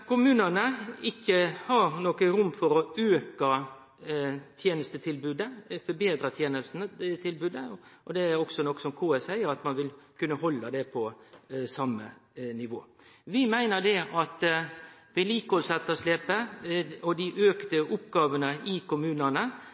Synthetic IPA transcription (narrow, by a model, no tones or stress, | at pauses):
kʊmʉːnənəɪkːəhɑɾnoːkəɾʊmːfɔɾɔøːkə | t̪ʰjeːnəst̪ət̪ʰɪlbʉːd̪əfɔbeːd̪ɾət̪ʰjeːnəst̪nət̪ʰɪlbʉːd̪əʔɔd̪ɛæɾɔksɔnɔkːsɔmkʰoːɛsæɪəɾɑt̪mɑnʋɪlkʉnːəɦɔlːəd̪ɛpʰɔsɑmːə̰nɪʋoː | ʋɪmæɪnəd̪ɛɑt̪ | ʋɪliːkɔlsɛt̪ːəʂleːpəɔd̪ɪʔøːkt̪əʔʊpɡɑːʋənəʔɪkʊmʉːnənə